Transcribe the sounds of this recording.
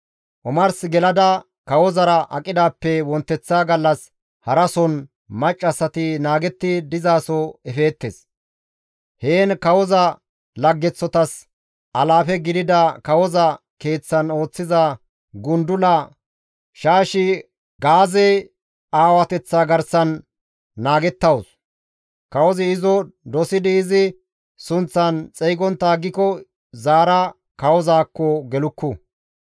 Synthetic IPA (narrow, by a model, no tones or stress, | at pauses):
ʔɔmɐɾsɪɡɛlɐd̪ɐ | kɐwɔzɐɾɐʔɐ̰kʼɪd̪aːpːɛwɔnt̪ːɛt͡sːaːɡɐlːɐs | hɐɾɐsɔn | mɐt͡ʃʼːɐsːɐt̪ɪnaːɡɛt̪ːɪd̪ɪzaːsɔɛfe̞ːt̪ːes | heːnkɐwɔzɐ | lɐɡːɛt͡sːɔt̪ɐs | ʔɐlaːfɛɡɪd̪ɪd̪ɐkɐwɔzɐ | ke̞ːt͡sːɐno̞ːt͡sːɪzɐ | ɡʊnd̪ʊlɐ | ʃaːʃɪ | ɡaːzej | aːwɐt̪ɛt͡sːaɡɐɾsɐnː | aːɡɛt̪ːɐwɔs | kɐwɔzɪɪzɔd̪ɔsɪd̪ɪːzɪ | sʊnt͡sːɐnt͡sʼɛjɡɔnt̪ːaːɡːɪkɔ | zaːɾɐ | kɐwɔzaːkːɔɡɛlʊkːʊ